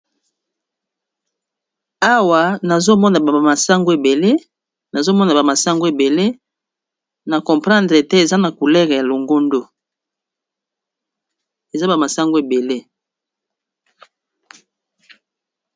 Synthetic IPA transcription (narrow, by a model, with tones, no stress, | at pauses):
a˦wa˨na˨zo˦mɔ˦na˨ba˨a˨ma˨sa˦ŋɡo˦e˨be˨le˦ | na˨zo˦mɔ˦na˨ba˨ma˨sa˦ŋɡo˦e˨be˨le˦ | na˨kɔ˨mpʁɑ̃˦ndʁe˨te˦e˨za˦na˨ku˨lɛ˦ʁe˨ja˨lo˨ŋɡo˦ndo˦ | e˨za˦ba˨ma˨sa˦ŋɡo˦e˨be˨le˦